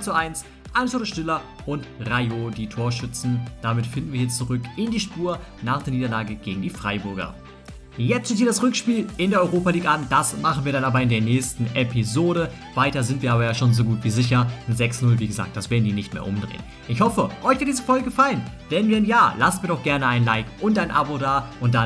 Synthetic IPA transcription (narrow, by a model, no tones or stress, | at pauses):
t͡suʔaɪns | ʔalmsoːɾdəʃtɪlɐ | ʔʊntʁajod̥iːtʰoːɐʃʏt͡sn̩d̥amɪtfɪndn̩viɐhjɛt͡st͡suʁʏkɪndiːʃpuːɐ | naːχd̥eːniːdɐlaːɡəɡ̥eːɡŋ̩diːfʁ̥aɪbʊɐɡɐ̰ | jɛt͡stɪsthiɐd̥asʁʏkʃpiːlɪndeːɐʔɔʏʁoːpaliːkʔand̥asmaχn̩viːɐɾanʔaːbɐɪndeːɐnɛːçstn̩ʔɛpʰizoːɾə | v̥aɪtɐzɪntviɐaːbɐjaːʃoːnzoɡuːtv̥iːzɪç̬ɐnzɛksnʊlviːɡəza̰ːk̚t̚d̥asv̥eːdn̩diːnɪçtmḛːɐʔʊmdʁḛːənn | ʔɪçhɔfəʔɔʏçv̥ɪɐtd̥iːzəfɔlɡəɡəfalən | v̥ɛnviːɐaɪnjaːlasnmiːɐdɔʊxɡ̥ɛɐnəaɪnlaɪkʔʊntʔaɪnʔa̰bodaːʔʊnt̚d̥an